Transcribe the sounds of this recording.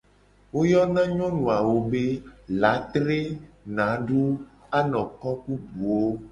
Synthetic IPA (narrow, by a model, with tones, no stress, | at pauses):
wo˦jɔ˦nã˦ɲɔ̃˦nũ˨a˨wo˦be˦la˨˦t̪ɾe˦nã˨˦ɖu˦a˦nɔ̃˨kɔ˦ku˦bu˨wo˦